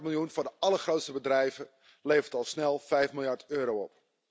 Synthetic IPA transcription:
mɪlˠjunvʊːdəɑləχrowtstəbədrɛjvə | lejvəɹtɑlˠsnɛlˠfɛjfmɪlˠjɑɹtøːɾowɔp

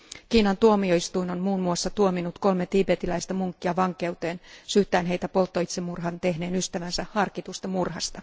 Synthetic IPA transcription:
kiːnɑnt̪uomioist̪uinonmuːnmuosːɑt̪uominut̪ko̞lmet̪iːpet̪ilæijst̪ɑmuŋkːiɑʋɑŋke̞ut̪e̞ːnsyht̪æːnɦeijt̪æpo̞lt̪ːoit̪semːurɦɑnt̪ehneːnyst̪æʋænsæhɑrkit̪ust̪ɑmurhɑst̪ɑ

